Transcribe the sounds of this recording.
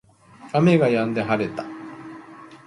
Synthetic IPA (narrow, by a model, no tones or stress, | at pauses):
ame̞ɡajãnd̪e̞ɦaɾe̞t̪ḁ